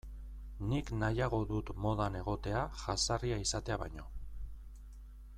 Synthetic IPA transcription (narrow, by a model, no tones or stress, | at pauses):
niknajaɣ̞o̞ðut̪mo̞ðane̞ɣ̞o̞t̪e̞aʝasariaisat̪e̞aβa̰jɲo̞